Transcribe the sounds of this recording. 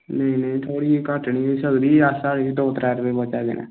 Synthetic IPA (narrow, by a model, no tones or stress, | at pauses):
nəĩːnəĩːt̪ʰoːɽiːekəʈɳiːosəɡd̪iːasaːɽid̪oːt̪ɾɛːɾpeːbət͡ʃaːd̪ḛːnɛ̰ː